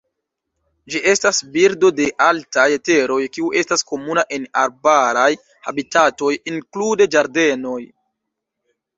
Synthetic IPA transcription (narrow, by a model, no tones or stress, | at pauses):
d͡ʒiʔe̞stasbiɾdo̞de̞ʔaltajete̞ɾo̞jkiuʔe̞stasko̞munaʔe̞naɾbaɾaj | habitato̞jiŋklude̞d͡ʒaɾde̞no̞j